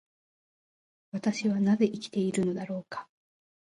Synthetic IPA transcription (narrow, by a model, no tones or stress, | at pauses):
βat̪aɕiβanaze̞ʔikʲi̥t̪e̞iɾɯ̟no̞d̪aɾo̞ːkḁ